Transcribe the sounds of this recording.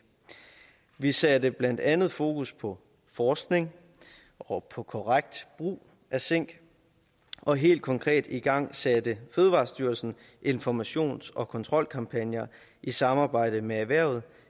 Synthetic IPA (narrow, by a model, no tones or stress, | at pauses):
ʋisɛd̥əb̥læn̰d̥ænð̞̩ˠfo̝ːkʰuspʰɒ̽ | fɒːsɡ̥ne̝ŋ | ɒ̽pʰɒ̽kʰɒʁɑɡ̥̚d̥b̥ʁṵː | ʔæseŋ̰ɡ̥ | ʔɒ̽ɦe̝̰ːld̥̚kʰɒ̽ŋkʰʁɛ̰ːd̥iɡ̥ɑ̈ŋ̰sæd̥əføːðˠəʋɑ̰̈ːsd̥yːɐlsn̩ | ʔe̝nfɒmæɕo̝̰ːnsɒ̽kʰɒ̽nt͡sʰʁɒ̽l̰kʰɑ̈mpʰænjɐ | ʔisɑ̈mɑ̈ːb̥ɑ̈ɪ̰d̥əmeæʋæɐ̰ʊð̞̩ˠ